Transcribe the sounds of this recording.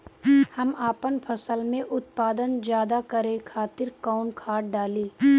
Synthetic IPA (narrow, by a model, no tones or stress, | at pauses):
hɐmaːpənpʰɐsəlmẽʔʊt̪̚paːd̪ənd͡ʒjaːd̪akɐɾẽkʰaːt̪ɪɾkaːʊnkʰaːʈ̚ɖaːliː